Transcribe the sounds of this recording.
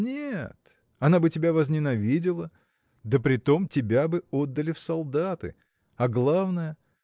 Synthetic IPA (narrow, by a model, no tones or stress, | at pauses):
nʲet̪ | ɐnabɨtʲɪbʲavəzʲnʲɪnɐvʲidʲɪlˠə | d̪əpɾʲɪt̪o̞mtʲɪbʲabɨo̞d̪ːəlʲɪfsɐlˠd̪at̪ɨ̰ | ɐɡlˠavnəjə